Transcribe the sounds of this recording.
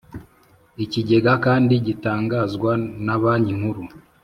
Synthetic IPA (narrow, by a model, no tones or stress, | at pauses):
iciɟe̞ɡakaːndiɟitaːŋɡazɡwanaβaːndiŋ̥huɾu